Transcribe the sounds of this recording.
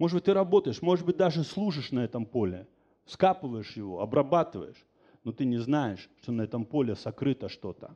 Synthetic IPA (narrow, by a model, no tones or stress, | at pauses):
moʐɨd̪bɨt̚ʲt̪ɨɾɐbo̞t̪əjɪʂmo̞ʐɨd̪bɨt̚ʲd̪aʐɨslˠuʐɨʂnɐɛt̪əmpo̞lʲɪ | skapɨvəjɪʂjɪvo̞̰ɐbɾɐbat̪ɨvə̰jɪʂ | no̞t̪ɨnʲɪznajɪʂt̪o̞nɐɛt̪əmpo̞lʲɪsɐkɾɨt̪əʂt̪o̞t̪ə̰